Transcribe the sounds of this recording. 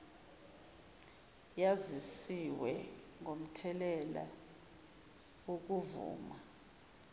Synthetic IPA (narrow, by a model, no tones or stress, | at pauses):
jazisiwɛ | ŋom̩tʰɛlɛla̰ | wok̬uvṵːma